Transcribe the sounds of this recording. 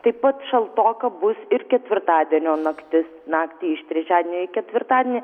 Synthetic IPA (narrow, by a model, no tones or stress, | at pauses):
t̪ɐɪppɐt̪ʃɐlˠt̪oːkɐbʊsɪrkʲɛt̪ʲʋʲɪrt̪ɑːd̪ʲiɛnʲoːnɐkt̪ʲɪsnɑːkt̪ʲiːɪʃt̪ʲɾʲɛt͡ʃʲaːdʲeɛnʲoːɪkʲɛt̪ʲʋʲɪrt̪ɑːd̪ʲiɛnʲi